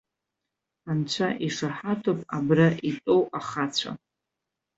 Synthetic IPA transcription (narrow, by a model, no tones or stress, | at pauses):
ħant͡ɕʷʰaʔiʂaħatʰopʼabraʔitʼo̞waχat͡ɕʷʰa̰